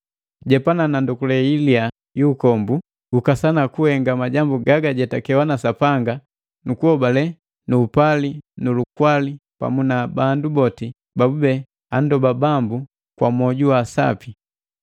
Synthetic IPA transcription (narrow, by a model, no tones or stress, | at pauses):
ɟɛpananandukulɛilia | juːkɔmbu | ukasanakuhɛŋɡamaɟambuɡaɡaɟɛtakɛwanasapaŋɡa | nukuhɔbalɛ | nuːpalinulukwalipa̰munabandubɔti | babubɛ | andɔbabambu | kwa̰mɔɟuwasa̰pi